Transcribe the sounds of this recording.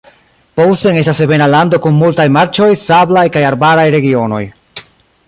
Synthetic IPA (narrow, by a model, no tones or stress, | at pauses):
powsteŋe̞s̬tase̞ve̞nalando̞kunmultajmaɾt͡ʃo̞jsablajkajaɾbaɾajɾe̞ɡio̞no̞̰j